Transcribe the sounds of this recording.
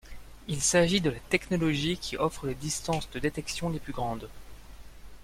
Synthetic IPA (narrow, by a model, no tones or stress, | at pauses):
ilsaʒid̪əlat̪ɛknɔlɔʒikʲʰiʔɔfχəled̪ist̪ɑ̃sd̪əd̪et̪ɛksjɔ̃leplyɡʁɑ̃d̪